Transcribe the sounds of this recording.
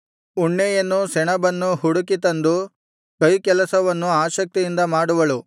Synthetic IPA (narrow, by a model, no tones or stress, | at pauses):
uɳːɛjɐnːusɛɳɐbɐnːuɦuɽukit̪ɐnd̪u | kɐjkɛlɐsɐʋɐnːuaːʃɐk̚t̪ijind̪ɐmaːɽuʋɐɭu